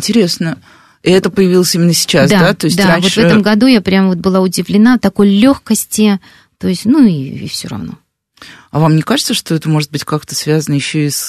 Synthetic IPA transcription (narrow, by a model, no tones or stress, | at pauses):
ɪnʲtʲɪɾʲesnə | iɛt̪əpəjɪvʲilˠəsʲimʲɪnːəsʲɪ̥t͡ɕasd̪dad̪at̪o̞ɪsʲdʲt̪aɾanʲvovɛt̪əmɡɐd̪ujapɾʲamvo̞t̪̚bɨlˠaʊdʲɪvlʲɪnat̪ɐko̞jlʲo̞xkəsʲtʲɪ | t̪o̞ɪsʲtʲnuiḭfsʲo̰ɾɐ̰vno̞̰ | ɐvamnʲɪɛkaʐɨt̪səʂt̪o̞ɛt̪əmo̞ʐɨt̪̚bɨtʲkakt̪əsvʲazənəjɪɕːois